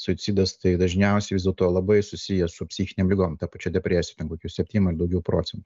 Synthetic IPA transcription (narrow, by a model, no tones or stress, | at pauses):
sʊɪsʲiːd̪ɐst̪ɐɪd̪ɐʒʲnʲɛʊsʲɛɪʋʲɪzdʲɛlˠt̪oːlˠɐbɐɪsʊsʲɪjɛsʊpʲsʲiːxʲɪnʲeːmlʲɪɡoːmt̪ɐpɐt͡ʃʲɛːdʲɛpʲɾʲæːsʲɪjɛt̪ʲɛnkoːkʲuːsʲɛpʲtʲiːnʲmɪrd̪ɐʊɡʲɛʊpɾoːt͡sʲɛnt̪